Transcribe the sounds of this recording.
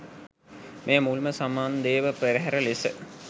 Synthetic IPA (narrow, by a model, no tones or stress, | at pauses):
mʔeːmulməsamaːnd̪eːʋəpeɾəɦæɾəlisə̰